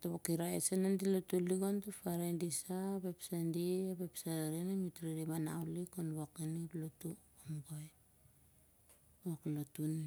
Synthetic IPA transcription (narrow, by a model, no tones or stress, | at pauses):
toβokiɾaesenandilotuliɡontufaɾendisabepsandiabepsaaɾinamitɾiɾimana̰wlikonβakiniplotu | omɡoj | oklotun